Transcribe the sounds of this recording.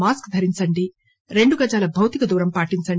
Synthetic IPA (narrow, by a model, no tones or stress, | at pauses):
maːskd̪ʱɐɾiɲt͡ʃɐɳɖi | ɾe̞ɳɖuɡɐd͡ʒaːlɐbʱɐwt̪ikɐd̪uːɾɐmpaːʈiɲt͡ʃɐɳ